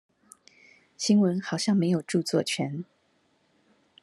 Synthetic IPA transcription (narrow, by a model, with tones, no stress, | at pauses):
ɕi˥ŋwə˧˥nxɑ˨˩ʊɕjɑ˥˩ŋme˧˥ɪjo˨˩ʊʈ͡ʂu˥˧t͡swɔ˥˨t͡ɕʰɥɛ˧˥n